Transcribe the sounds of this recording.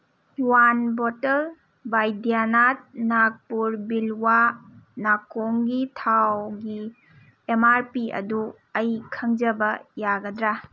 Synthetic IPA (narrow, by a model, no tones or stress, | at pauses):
wanbɔtɐl | bajdianat̚nak̚puɾbilwanakoŋɡitʰawɡi | emaɾpiɐ̰du | ɐjkʰɐŋd͡ʒɐbɐjaɡɐdɾa